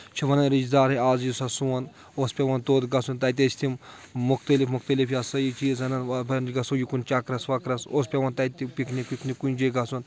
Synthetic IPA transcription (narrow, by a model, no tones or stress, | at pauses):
t͡ʃʰiʋɐnɐnɾid͡ʒd̪aːɾɦeaːzjisasuwɐn | oːspʲeʋɐnt̪oːd̪ɡɐsunt̪ɐt̪̬ʲɐt͡ʃʰt̪ʰim | mukt̪ɐlifmukt̪ɐlifjasəjit͡ʃiːzɐnɐnabɐnɡɐsujikunt͡ʃakɾɐsʋɐkɾɐsoːspʲɐʋɐnt̪ɐt̪ipʲiknikiknikunʲd͡ʒeɡɐsun